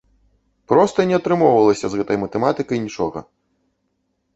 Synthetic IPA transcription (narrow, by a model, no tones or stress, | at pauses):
pɾɔst̪ɐnʲɛɐt̪ɾɨmɔwvɐlˠɐsʲɐzɣɛt̪ɐjmɐt̪ɛmat̪ɨkɐjnʲit͡ʂɔɣɐ̰